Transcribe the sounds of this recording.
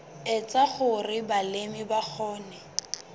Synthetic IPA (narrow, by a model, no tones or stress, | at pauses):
ɪt͡sʼaχʊrɪbalemɪbak͡xʰɔːnɛ